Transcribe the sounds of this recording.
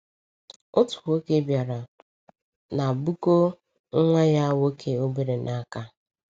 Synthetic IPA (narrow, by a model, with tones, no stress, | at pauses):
o˦tu̥˨o˦ke˦bja˨ɾa˨ | na˨bu˦ko˦ | ŋ̩˦ŋʷa˦ja˦wo˦kʰe˨o˦be˦ɾe˨nʔa˨a˦˨ka˦